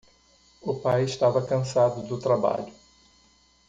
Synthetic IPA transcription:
ʊpajɪʃt̪avɐkɐ̃sad̪ʊd̪ʊt̪ɾaba̰ʎʊ

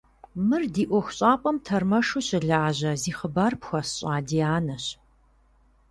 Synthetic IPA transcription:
mɨrdiːʔʷɔxʷɕʼaːpʼɐmtʰɐrmɐʂuɕɪɮɐaːʑɐziːχəbaːrpxʷɐsɕʼaːdiːaːnɐɕ

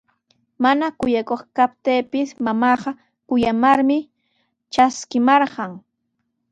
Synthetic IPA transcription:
manakʊjakoχkap̚t̪eːpɪsmamɑːɢɑ | kʊjamaɾmɪ | t͡ʃaskɪmɑɾɢɑŋ

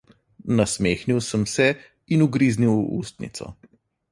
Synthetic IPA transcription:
nasmeːxniwsəmsɛ | inuɡɾiːzniwṵːst̪nḭt̪sɔ̰

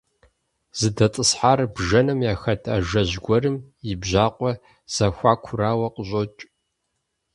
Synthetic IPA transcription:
z̥ɨdɐt͡sʼɨsħaːrbʒɐnɨmjaːxɐtʰa̰ːʒɐʑɡʷɔrɨmjɪbʑaːqʷʼɔ | z̥ɐxʷaːkʷʰʊɾaːwɐqʼəɕʷʼot͡ʃʼ

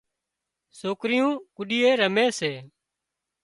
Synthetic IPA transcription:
soːkɾɪjũːkʊɗɪːeːɾəmeːseː

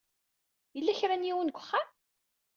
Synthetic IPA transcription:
jəlːæçɾænjiwənɡʷə̥χːam

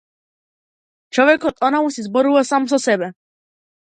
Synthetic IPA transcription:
t͡ʃɔʋɛkɔt̪ɔnamusizbɔɾuvasamsɔsɛbɛ

